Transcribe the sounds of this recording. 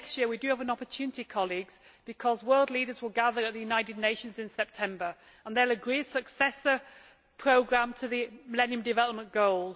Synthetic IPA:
kstjɪəwidɨəvə̃nɒpətʰʉːnɪtikʰɒliɡz̥b̥ɪkʰɒzwɜːlˠdˡliːɾəzwɪlˠɡaðəɹəʔðəjʉnaɪtɪdⁿneɪʃə̃nzɪ̃nsɛp̚tʰɛ̃mbə˞ | ə̃nðələɡɹiːd̥səksɛsə | pʰɹ̥oʊɡɹãmtʰəðəməlɛ̃niə̃mdɪvɛləp̚mə̃nɡ̥oʊlˠz

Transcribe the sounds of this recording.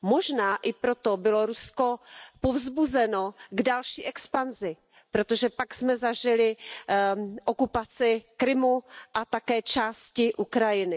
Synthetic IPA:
mo̞ʒnaːʔɪpɾot̪obɪlo̞ɾusko̞povzbuzɛnoɡdalʃiːʔɛkspanzɪ | pɾot̪oʒɛpaksmɛzaʒɪlɪ | ʔokupat͡sɪkɾɪmuʔat̪akɛːt͡ʃaːscɪʔukɾajɪnɪ

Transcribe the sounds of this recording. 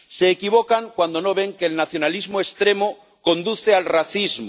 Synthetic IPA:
se̞ːkiβ̞okaŋkwand̪ono̞β̞e̞ŋkeːlnaθjo̞nalizmoest̪ɾemo | ko̞nd̪uθealraθizm

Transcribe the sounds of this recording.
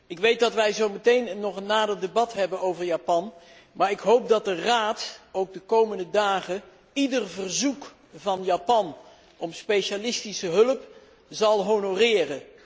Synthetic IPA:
ɪkʋejt̚dɑtʋɛjzowmətejnənːɔχənːaːdərdebɑtɦɛbənowvəɹjaːpɑn | maːɹɪkɦowp̚dɑt̚dəraːtowɡ̚dəkowməndədaːχə | idərvərzuk | vɑnjaːpɑn | ɔmspejʃalɪstisəɦɵləp | zɑlˠɦonorɪːrə

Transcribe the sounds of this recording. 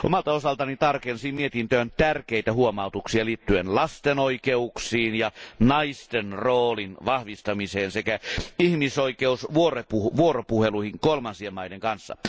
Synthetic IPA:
ʔo̰mɑlt̪ɑosɑlt̪ɑnit̪ɑrkensiːmiet̪int̪øːnt̪ærkeit̪æhuomɑut̪uksiɑliːt̪ːyenlɑst̪enoikeuksiːnjɑnɑist̪enroːlinʋɑhʋist̪ɑmiseːnsekæihmisoikeusʋuorepuʋuoropuheluihiŋkolmɑnsiemɑideŋkɑnsːɑ̰

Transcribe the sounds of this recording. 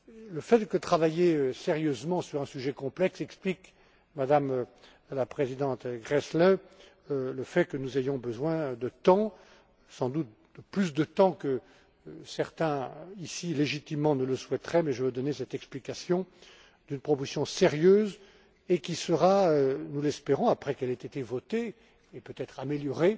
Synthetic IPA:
ləfɛt̪d̪əkət̪χavajeøseʁjøzmɑ̃syʁɛ̃syʒɛkɔ̃plɛksɛksplik | mad̪am | lapχezid̪ɑ̃t̪ɡʁɛslɛ | ləfɛkənuzejɔ̃bəzwɛ̃d̪ət̪ɑ̃ | sɑ̃d̪ut̪̚ | d̪̥əplysd̪ət̪ɑ̃kə | sɛʁt̪ɛ̃isileʒit̪imːɑ̃nələswɛt̪χɛmɛʒəvəd̪ɔnesɛt̪ɛksplikasjɔ̃ | d̪ynpχɔposjɔ̃seʁjøːz | ekʲisəʁaønulɛspeʁɔ̃apχɛkɛlɛt̪et̪evɔt̪eː | pøt̪ɛt̪χameljɔʁe

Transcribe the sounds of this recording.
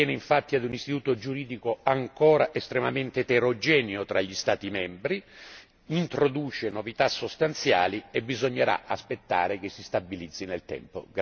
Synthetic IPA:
jɛːneiɱfat̪ːiad̪unist̪it̪uːt̪od͡ʒuɾiːd̪ikoaŋkɔːɾaʔest̪ɾemament̪et̪eɾod͡ʒɛːnjot̪ɾaʎːist̪aːt̪imɛmbɾi | int̪ɾod̪uːt͡ʃenovit̪asːost̪ant̪sja̰ːliebːizoɲːeɾa̰aspet̪ːa̰ːɾekesːist̪abilid̪zːinelt̪ɛ̰mpo̰ɡ

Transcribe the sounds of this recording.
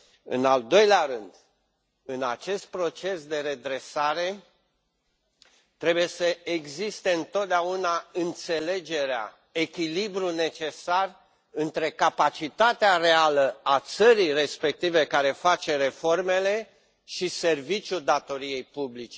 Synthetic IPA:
ɨ̰nald̪o̞jleaɾɨnd̪ | ɨnat͡ʃe̞st̪̚pɾo̞t͡ʃe̞sd̪e̞ɾe̞d̪ɾe̞saɾe̞ | t̪ɾe̞buje̞səe̞ɡzist̪e̞ɨnt̪ot̪̚d̪eaunaɨnt̪se̞le̞d͡ʒe̞ɾea̰ | ekʲilibɾune̞t͡ʃe̞sar | ɨnt̪ɾe̞kapat͡ʃit̪at̪earealəat̪səɾijre̞spe̞k̚t̪ive̞kaɾe̞fat͡ʃe̞ɾe̞fo̞rme̞le̞ | ʃise̞rvit͡ʃʲjuld̪at̪o̞ɾije̞jpublit͡ʃe̥

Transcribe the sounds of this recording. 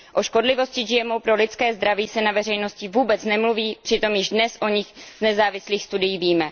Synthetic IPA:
ʔo̞ʃko̞dlɪvo̞scɪʒɪjɛmo̞wpɾo̞lɪt͡skɛːzd̪ɾaviːsɛnavɛrɛjno̞scɪvuːbɛt͡snɛmluviːpr̥ɪt̪o̞mjɪʒdnɛsʔo̞ɲɪxz̥nɛzaːvɪsliːxst̪udɪjiːviːmɛ

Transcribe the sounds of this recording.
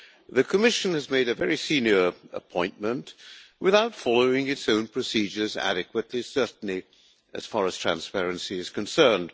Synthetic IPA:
ðɨkʰɨmɪʃɨ̃nɨzmeɪɾɨvɛɹisĩnjə˞ə̰pʰɔ̃ɪ̃nmə̃ntwɨθaʊtfɑlˠoʊɪ̃ŋɨtsõʊ̃npʰɹ̥ɨsid͡ʒə˞zæ̰ɾɨkwɨtˡlisɜ˞ʔn̩li | ɨ̰z̥fɑɹɨz̥tʰɹ̥æ̰̃nspɛɹɨ̃nsiɨz̥kʰɨ̃nsɜ̃˞nd̥

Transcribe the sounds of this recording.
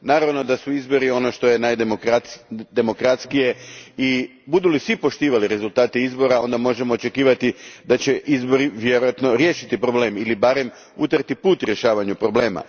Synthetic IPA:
naːɾaʋno̞d̪asuizbo̞ɾio̞no̞ʃt̪o̞je̞najd̪mokad̪e̞mo̞kɾat̪skije̞i | bud̪ulisʋipo̞ʃt̪iːʋaliɾe̞zult̪aːt̪eizbo̞ɾao̞nd̪amo̞ʒe̞mo̞ːt͡ʃe̞kiːʋat̪id̪at͡ɕe̞ʔizbo̞ɾiʋjeɾojat̪no̞ɾjeːʃit̪ipɾo̞ble̞ːmilibaɾe̞m | ut̪əɾt̪ipuːt̪ɾje̞ʃaːʋaɲupɾo̞ble̞ːma̰

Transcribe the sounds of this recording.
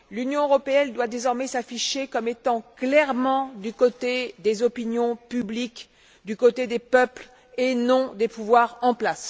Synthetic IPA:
lynjɔ̃øʁɔpeɛnd̪wad̪ezɔʁmɛsafiʃekɔmet̪ɑ̃klɛʁmɑ̃d̪ykot̪ed̪ezɔpinjɔ̃pyblik | d̪ykot̪ed̪epœpl | enɔ̃d̪epuvwaʁɑ̃plas

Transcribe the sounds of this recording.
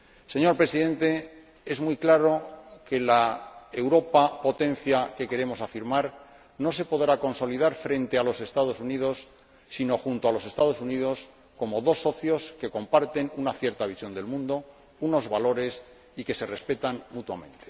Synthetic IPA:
se̞ɲo̞ɾpɾe̞siðe̞nt̪e̞ | e̞zmujklaɾo̞ke̞lae̞wɾo̞papo̞t̪ẽ̞nθjake̞ke̞ɾe̞mo̞safiɾmaɾ | nose̞po̞ðɾako̞nso̞liðaɾfɾe̞nt̪e̞alo̞se̞st̪að̞o̞suniðo̞sː | ino̞xunt̪oalo̞se̞st̪að̞o̞sunið̞o̞s | ko̞mo̞ðo̞sːo̞θjo̞ske̞ko̞mpaɾt̪e̞nunaθje̞ɾt̪aβisjo̞nd̪e̞lmũnd̪o̞ | uno̞zβalo̞ɾe̞s | ike̞se̞re̞spe̞t̪anmut̪wamẽ̞nt̪e̞̥

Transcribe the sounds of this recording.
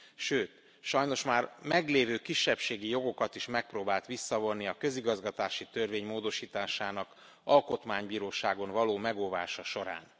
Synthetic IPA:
ʃøːt̪ | ʃɒjno̞ʃmaːrmɛɡleːvøːkiʃːɛpʃeːɡijo̞ɡo̞kɒt̪iʃmɛk̚proːbaːlt̪ʋisːɒvo̞nːiɒkø̞ziɡɒzɡɒt̪aːʃit̪ø̞rveːɲmoːd̪o̞ʃiːt̪aːʃaːnɒk | ɒlko̞t̪maːɲbiːɾoːʃaːɡo̞nvɒloːmɛɡolva̰ːʃɒʃo̞ɾa̰ːn

